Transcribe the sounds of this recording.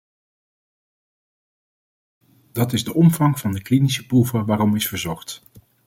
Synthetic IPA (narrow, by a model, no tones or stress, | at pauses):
dɑtɪzdəʔɔmv̥ɑŋv̥ɑndəklinisəpruvəʋaːɾɔmɪsfəɹzɔχt